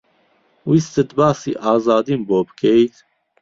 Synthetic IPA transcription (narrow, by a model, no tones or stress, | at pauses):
wist̪ɨd̪bɑːsḭːʔɑːzɑːd̪imboːbɨ̥kʰɛjit̪